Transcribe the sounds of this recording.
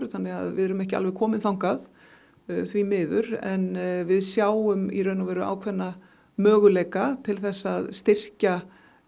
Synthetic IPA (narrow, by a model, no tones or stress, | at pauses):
ɾθanːɛɣa̰ðvɪ̰ðɛɾʏmɛhcɪalvɛɣkʰɔːmɪnθawŋkað | θvimɪːðʏɾɛ̰nvɪðsjaːwʏmḭɾœnavɛːɾʏʔa̰ːwkʰvɛnːa | mœːɣʏleːjkat̪ʰɪlθɛsːaðst̪ɪr̥ca